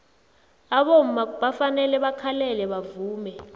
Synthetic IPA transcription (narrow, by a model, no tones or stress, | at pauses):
aɓom̩maɓafanɛlɛɓakʰalɛlɛɓavuːmɛ